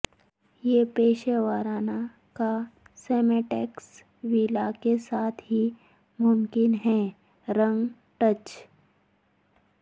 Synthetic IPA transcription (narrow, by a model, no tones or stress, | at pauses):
jeːpeːʃeʋaːɾaːna | ka | sɛːmeʈɛːks | ʋiːlakesaːt̪ʰɦi | mʊmkɪnɦɛː | ɾə̃ŋ | ʈət͡ʃ